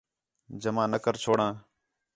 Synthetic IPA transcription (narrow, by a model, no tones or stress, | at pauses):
d͡ʒəmãːnəkəɾt͡ʃʰoːɽãː